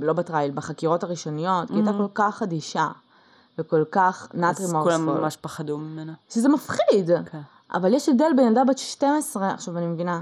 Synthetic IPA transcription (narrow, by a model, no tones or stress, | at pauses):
lo̞batʁailbeχakiʁo̞taʁiʃo̞nijo̞tkiajt̪akko̞lkaχadiʃa | veko̞lkaχnat̪ʁimoulamːmaʃpaχad̪umimenaʃezemafχidkʰ | ʔa̰valjeʃevd̪elbejnadabeʃte̞mesʁea̰χʃavanimevina